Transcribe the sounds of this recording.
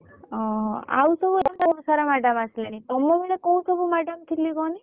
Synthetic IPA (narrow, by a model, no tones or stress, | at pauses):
ɔ̃a̰usɔbud̪masaɾamaɖamaslenit̪ɔmːɔbiɽekɔũsɔbumaɖamt̪ʰiliɡɔni